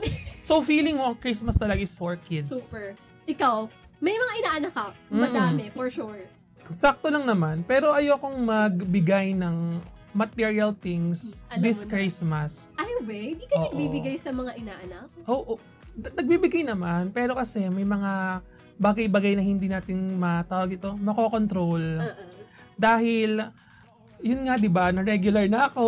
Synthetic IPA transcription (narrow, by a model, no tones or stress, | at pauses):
so̞fiːlɪŋmoʔɐŋkɹismɐst̪ɐlɐɡaɪsfoɹkɪd̪spɛɹ | ʔɪkaw | mɐjmɐŋaʔɪnaːʔɐnɐkɐmmmɐːmɛfɔɹʃuɹ | sak̚t̪o̞lɐŋnɐmanpɛːɾoʔɐjoːɐko̞ŋmɐɡ̚bɪɡajnɐŋmɐt̪ɛɹiɐlt̪ɪŋsd̪ɪskɾɪsmɐsajwɛɪnd̪iːkɐoːɐɡbiːbɪɡajsɐmɐŋaʔɪnaːʔɐnak̚ʔoːʔo | nɐɡ̚bibɪɡajnɐmanpɛːɾo̞kɐsɛmɐjmɐŋa | baːɡɐjbɐɡajnɐhɪnd̪iːnaːt̪ɪŋmɐt̪aːwɐɡʔɪt̪o̞mɐkoko̞nt̪ɾo̞l | d̪aːhɪl | jʊnŋad̪ɪbanɐɾɛɡjʊlɐɹnɐʔɐko̞